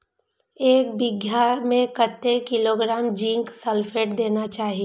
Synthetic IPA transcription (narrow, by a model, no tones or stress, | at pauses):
eːk̚bɪɡʱjamẽkət̪ːekɪloːɡɾaːmd͡ʒĩŋksəlfʰeːʈd̪eːnat͡ʃaːɦie